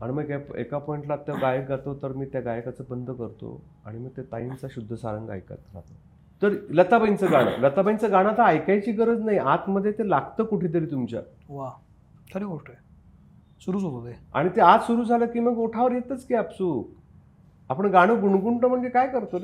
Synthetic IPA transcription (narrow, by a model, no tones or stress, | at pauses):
aɽ̃iməɡepḛkapɔiɳʈlat̪ːaɡajəkɡʱat̪ot̪əɾmiːt̪jaɡajəkat͡səbənd̪ʱəkəɾt̪o̰ | a̰ɽ̃iməɡ̚t̪et̪a̰imt͡saɕud̪ʱːəsa̰ɾəŋɡa̰jka̰t̪ɾa̰t̪o | t̪əɾlət̪abajnt͡səɡaɽ̃ə̰lət̪abajnt͡səɡaɽ̃at̪aːjkajt͡ɕiːɡəɾəd͡znaɦiʔat̪məd̪ʱjet̪elaɡt̪əːkuʈʰiːt̪̬əɾiːt̪umt͡ɕa̰ | ʋa | sʰəɾiɡoʂʈə | suɾuːd͡zotod̪ea̰ɽ̃it̪ead͡zsuɾuːd͡zʱaləkiːməɡoʈʰaʋəɾjet̪ət͡skiapsuː | apəɳɡaɽ̃əɡuɳɡuɳʈəm̤əɳd͡ʑekajkəɾt̪o